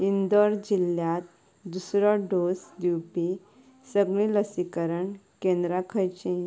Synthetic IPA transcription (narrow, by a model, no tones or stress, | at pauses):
ind̪ɔɾd͡ʑiljãt̪ | d̪usɾɔɖosd̪iwpi | səɡɭĩləsikəɾəɳkẽnd̪ɾakʰəjt͡ɕẽ